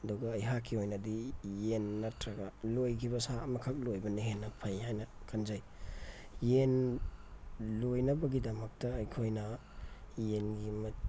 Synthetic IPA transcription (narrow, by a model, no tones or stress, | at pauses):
ɐduɡɐːjɦakʰːiojnɐdijenːɐtɾaɡalojkʰibɐsamɐkʰɐk̚lojbɐniɦenːɐpʰɐjhajnɐkʰanzaj | jen | lojnɐbɐɡidɐmɐk̚tɐːjkʰojnɐ | jenɡimɐ